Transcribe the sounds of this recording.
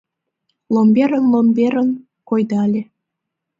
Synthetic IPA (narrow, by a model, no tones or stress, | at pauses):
lomʲbʲeɾənlombʲeɾən | kojd̪ɑlʲe